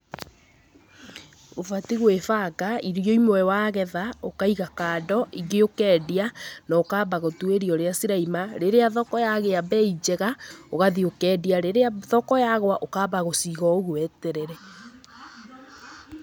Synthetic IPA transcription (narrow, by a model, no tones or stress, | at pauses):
ofatiɣwefaɡaiɾjɔimwɛwaːɣɛðaokaiɣakaːdɔʔiɡeokɛːdianɔokaːbaɣotweɾiɔɾeasiɾaimaɾeɾeaðɔkɔjaɣeabɛid͡ʑɛɣaoɣaðiokɛːdiaɾeɾeaðɔkɔjaɣwaʔokaːbaɣosiɣɔoɣuɛtɛɾɛɾɛ